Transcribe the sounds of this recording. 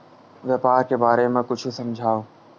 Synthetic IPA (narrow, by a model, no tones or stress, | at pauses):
ʋeːpaːɾkebaːɾemãkʊd͡ʒʰʱʊ̆sɐmd͡ʑʱaːoː